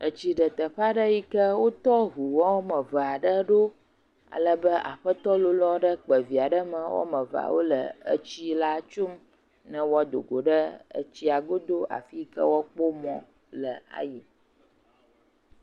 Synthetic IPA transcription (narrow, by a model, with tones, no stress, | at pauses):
ə˨t͡ɕi˦ɖə˨t̪ə˨ɸa˦ɖə˦ji˦kə˦wo˦t̪ɔ˦ɦu˨wɔ˦wmə̃˨və˨a˨ɖə˦ɖo˦ | a̰˨lə˦bə˦ʔa̰˨ɸə˦t̪ɔ˦lo˨lɔ˦ɖə˦k͡pə˨vi˨a˨ɖə˦mə̃˨wɔ̰˦mə̃˨va̰˨wo˦lə̰˨ə̰˦t͡ɕi˦la˦t͡ʃo˦m | nə̃˦wɔ˦d̪o̰˨ɡo˨ɖə˦ə̰˦t͡ɕi˦a˨ɡo˦d̪o˦a̰˨fi˦kə̰˦wɔ˦k͡po˦mɔ̃˨ | lə˨a̰˨ji˨